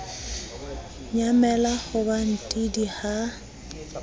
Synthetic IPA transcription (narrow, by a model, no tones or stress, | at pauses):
ɲamɛlaɣʊban̩tʼidiha